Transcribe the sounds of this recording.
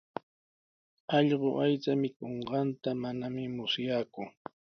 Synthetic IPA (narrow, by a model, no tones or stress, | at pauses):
ɑʎɢoʔajt͡samɪkoɴɢɑnt̪amanamɪmʊsjaːkʊ